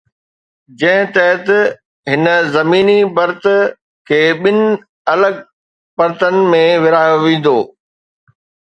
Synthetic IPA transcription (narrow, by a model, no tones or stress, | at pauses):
d͡ʑɐ̃ɦɪ̃t̪ɛɦət̪ | ɦɪnə̆zɐmiːnibɐɾt̪ | kʰeːɓɪnɪ̆ | ɐləɡ̚ | pɐɾt̪ənɪ̆mẽʋɪɾaːjoʋẽːn̆d̪oː